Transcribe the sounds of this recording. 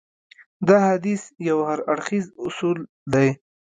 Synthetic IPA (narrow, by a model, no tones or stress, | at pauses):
d̪ɑhad̪isjawhaɾaɽxizʊsul | d̪aj